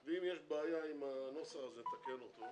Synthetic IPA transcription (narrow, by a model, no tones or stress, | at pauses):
veimjeʃbeːjaimanosaazet̪akenot̪o